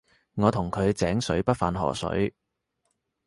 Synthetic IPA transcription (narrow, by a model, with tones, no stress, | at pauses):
ŋɔː˨˧t̪ʰʊ˨˩ŋkʰɵ˨˧ɥt͡sɛː˨˥ŋsɵ˨˥ɥpɐ˥t̚fa̰ː˨nɦɔ̰ː˨˩sɵ̰˨˥ɥ